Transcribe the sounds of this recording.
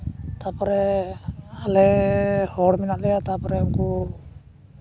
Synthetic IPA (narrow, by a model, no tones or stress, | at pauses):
t̪apɔɾɛ | alɛhɔɽmɛnaʔlɛjat̪apɔɾɛɔŋku